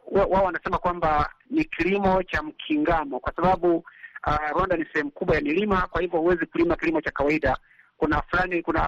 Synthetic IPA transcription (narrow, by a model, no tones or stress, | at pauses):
wawaɔwanasɛmakwambanikilimɔt͡ʃam̩kʰiŋɡamɔkwasaɓaɓu | ɾwandanisɛhɛm̩ukuɓwajamilimakwahivjɔhuwɛzikulimakilimɔt͡ʃakawaiɗa | kunafulanikuna